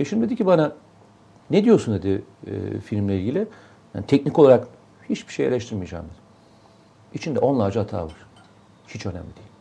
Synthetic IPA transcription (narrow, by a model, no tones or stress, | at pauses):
eʃind̪ʲd̪ed̪icʰbana | ned̪ijoɾsund̪ed̪ḭfilʲmlʲɛilʲɟʲilʲi | ja̰nit̪ʰɛcnikoaɾak | hit͡ʃbi̥ʃejelʲɛʃt̪ʰiɾmijad͡ʒa̰ːmd̪ɯɾ | it͡ʃʰind̪ɛʔo̞nlˠaːd͡ʒaat̪ʰa̰ːvaɾ̥ | hit͡ʃʰø̞næ̰mlʲid̪ijilʲ